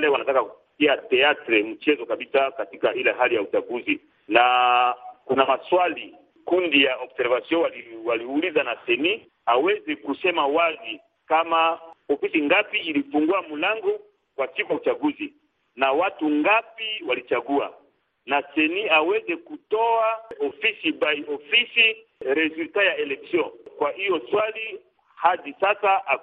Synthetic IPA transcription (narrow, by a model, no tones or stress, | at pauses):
lewanatakakupi̥kiatɛatɾɛm̩t͡ʃɛzɔkabisakatikaileɦalijaut͡ʃaɡuzi | na | kunamaswali | kundijaɔbsɛɾvasjɔ̃aiwaliulizanasɛni | awɛzekusɛmawazi | kamaofisiŋɡapiilifuŋɡuamulaŋɡɔ | kwasikujaut͡ʃaɡuzi | nawatuŋɡapiwalit͡ʃaɡua̰ | nasɛniawɛzɛkutɔaofisibaiʔofisi | ɾezultajaelɛksjɔ̃kwaʔijɔswali | hadisasaʔa